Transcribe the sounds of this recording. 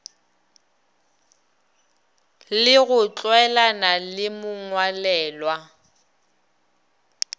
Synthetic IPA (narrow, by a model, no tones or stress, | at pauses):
lɪɣʊt͡ɬʼwɛlanalɪmʊŋwalɛːlwa